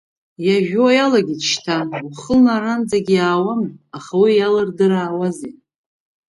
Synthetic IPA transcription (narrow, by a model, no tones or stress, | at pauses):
jaʒᶣoajalaɡʲitʃtʰauχəlnaɾand͡zaɡʲijaːwamaχawijalɨrdɨɾaːwazetʼ